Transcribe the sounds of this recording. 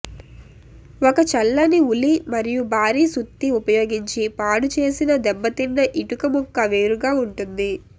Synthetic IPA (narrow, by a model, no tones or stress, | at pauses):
ɔkɐt͡ʃɐlːɐniulimɐɾijubʱaːɾiːsut̪ːiupɐjo̞ːɡiɲt͡ʃipaːɽut͡ʃe̞ːsinɐd̪ɛbːɐt̪inːɐʔiʈukɐmɔkːɐʋe̞ːɾuɡaːuɳʈund̪i